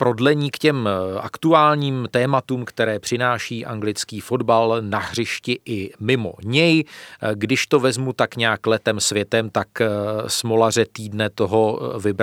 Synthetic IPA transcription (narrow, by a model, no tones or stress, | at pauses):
pɾo̞dlɛɲiːkcɛma̰kt̪uaːlɲiːmt̪ɛːmat̪uːmkt̪ɛɾɛːpr̝̥ɪnaːʃiːʔa̰ŋɡlɪt͡skiːfo̞dbalnaɦr̝ɪʃcɪʔɪmɪmo̞̰ɲɛjɡdɪʃt̪o̞vɛzmut̪akɲɛaklɛt̪ɛmsvjɛt̪ɛmt̪aksmolar̝ɛt̪iːdnɛt̪o̞ɦo̞vɪb